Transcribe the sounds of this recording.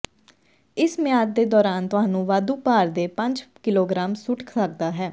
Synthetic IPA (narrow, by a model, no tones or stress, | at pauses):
ɪsmɪjaːd̪̚d̪eːd̪ɔːɾaːnt̪ʊɦãːnũːʋaːd̪uːpaːɾd̪eːpəɲd͡ʒkɪloːɡɾaːmsʊʈkʰsəɡ̚d̪aːɦɛː